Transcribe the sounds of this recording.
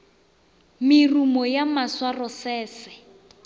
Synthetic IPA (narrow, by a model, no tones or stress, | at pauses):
mɪrumɔjamaswarɔsɛːsɛ̥